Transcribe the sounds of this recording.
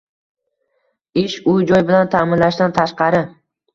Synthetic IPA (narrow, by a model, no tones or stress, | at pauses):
ɪʃʊd͡ʒɒjbɪlant̪ʰamɪnlaʃd̪ant̪ʰaʃqɑɾɪ